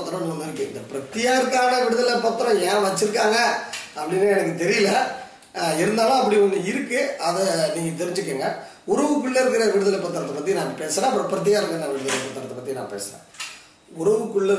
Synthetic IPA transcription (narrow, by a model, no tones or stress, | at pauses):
t̪ːɐɾɐ̃nuɪɾɯkːɯɪ̰nd̪ɐpɪɾɐt̪ːɪjaːɾkːaːnɐʋɪɽɯðɐlpɐɾt̪ːɐɾɔ̃ɛ̃ːʋɐt͡ʃːɪɾɯkːaːŋɡɐɐpːɐɽinːɯɛnɐk̬ːɯt̪ɛɾɪjɐlɐ | ɪɾɯnd̪aːlãːɐpːɐɽiɔnːɯɪɾɯkːɯɐðɐniːŋɡɐt̪ɛɾɪɲd͡ʒɯk̬ːeːŋɡɐ | ʊɾɐʋɯkːɯɭːɐɪɾɯk̬ːɪɾɐʋɪɽɯðɐlɛpːɐɾt̪ːɐɾɐt̪ːɐpɐt̪ːinãːŋɐpeːsɐnãːɐpːɾɐ̃pɪɾɐt̪̬ːɪjaːɪɾɯkːɐnãʋɪɽɯðɐlɛpːɐːɾt̪ːɐɾɐt̪ːɐpɐt̪ːinã̰ːpḛːsɐɾḛ̃ː | ʊɾɐʋɯkːɯɭːɐ